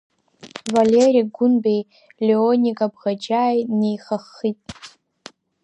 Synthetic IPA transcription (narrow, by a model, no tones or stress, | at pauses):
valeriɡʷʊnbej | leonʲikʼabʁad͡ʒajnejχaχːitʼ